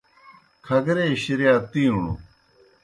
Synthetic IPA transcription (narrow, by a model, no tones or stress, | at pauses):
kʰɐɡɾeɕiɾijaːt̪ĩːuɳṵ